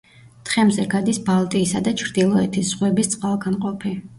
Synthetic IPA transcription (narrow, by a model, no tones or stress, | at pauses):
t̪χɛmzɛɡad̪isbalˠt̪ʼiːsad̪at͡ʃʰɾd̪ilˠɔɛt̪ʰisz̥ʁwɛbist̪sʼwalˠɡanqʼɔpʰi